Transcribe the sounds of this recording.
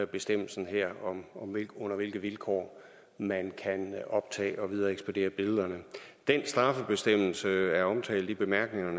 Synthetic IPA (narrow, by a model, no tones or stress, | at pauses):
b̥e̝sd̥em̰l̩sn̩ɦeɐ̰ɒ̽mɒ̽meɔ̽n̰ɐʋe̝lɡ̥ð̩ˠʋilkʰɒ̰ː | mænkʰænɒ̽b̥̚t͡sʰɛ̰ːɒ̽ʋið̞ˠɐːeɡ̥spʰod̥e̝̰ːɐb̥e̝lðˠɐnəd̥ensd̥ʁɑ̈fəb̥e̝sd̥em̰l̩səæɐɒ̽mt͡sʰɛ̰ːld̥̩ˠib̥e̝mæɐɡ̥ne̝ŋɐnə